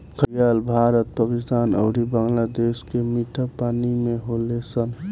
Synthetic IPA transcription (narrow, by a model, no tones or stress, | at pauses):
kʰəjalbʱaːɾət̪̚pakɪst̪aːnəʊɾibãŋlad̪eːskemiʈʰapaːnimẽɦolesən